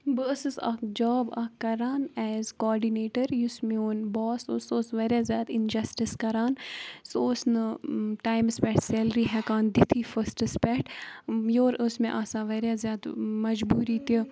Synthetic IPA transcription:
bəsɨsɐ̰kd͡ʒɔːbɐkɐɾaːnɛːzkɔːɾɖineːʈəɾjusmeoːnbɔːsosoːsʋeɾjaːzjaːd̪ind͡ʒɐsʈiskɐɾaːnsoːsnəʈaːjmspɛʈsɛːlɾiɦɛkaːnd̪it̪ʰifəsʈəspɛʈjoːɾəsmẽʔasaʋɐɾjaːzjaːd̪mɐd͡ʒbuːɾit̪i

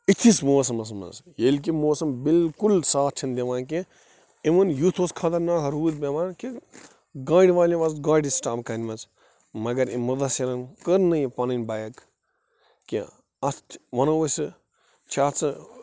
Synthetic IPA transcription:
it̪ʰismoːs̬ɐmɐs̬mɐ̰zjelʲk̬imoːsɐmbilkulsaːt͡ʃʰind̪ʲeʋaːnk̬e | imɐnjut̪ʰoːskʰaːt̪ɐɾnaːɦɐɾuːd̪bʲemaːnki | ɡaːɽʲiʋaːlʲĩʋɐsɡaːɽʲisʈaːbkɐnʲmɐt͡s | mɐɡɐɾimɐd̪ɐsɐɾɐnkəɾnɐjipɐnɐnʲbɐːjɐk | kḭ | ɐsʋɐnɐosɨ | t͡ʃʰaːt͡sɨ

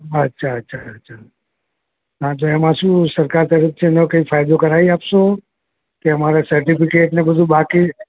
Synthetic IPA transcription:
ətːʃʰaətːʃʰaətːʃʰa | ɦãt̪oɛmãʃũsəɾkaɾt̪əɾik̚t͡ʃʰenəkəifʰajd̪okəɾajapʃo | keəmaɾasəɾʈipikeʈnebəd̪ʱũbaki

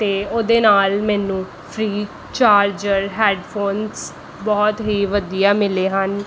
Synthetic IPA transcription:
t̪eːoːd̪eːnaːlmɛ̃ːnũː | pʰɾiː | t͡ʃaːɾd͡ʒəɾɦɛːɖpʰoːns | bɔːt̪ɦiːʋəd̪ijaːmɪleːɦən

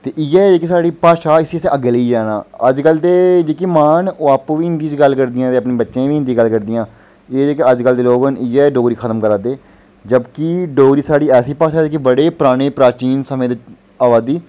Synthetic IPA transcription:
t̪eːʔɪjɛːd͡ʒeːkesaːɖiːpaːʃaːɪsisẽʔəɡliːd͡ʒaːnã̰ːəd͡ʒkəld̪eːd͡ʒeːkiːmaːnoːaːpʋiːɪnd̪iːt͡ʃɡəlkəɾd̪ɪjãːt̪eːəpnẽːbətːʃẽːʋiːɪ̃nd̪iːɡəlkəɾd̪ɪjãː | eːd͡ʒeːkeəd͡ʒkəld̪eːloːɡənɪjɛːɖoːɡɾiːkʰət̪əmkəɾaːd̪eː | d͡ʒəbkiɖoːɡɾiːsaːɽiːɛːsiːpaːʃaːd͡ʒeːkibəɽeːpɾaːɽ̃eːpɾaːt͡ʃiːnsəmẽːd̪ɪ | aːʋaːd̪iː

